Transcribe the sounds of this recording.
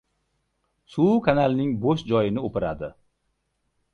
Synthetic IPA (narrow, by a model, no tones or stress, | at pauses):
sukʰanalnɪŋboʃd͡ʒɒjɪnɪopɪɾa̰d̪ɪ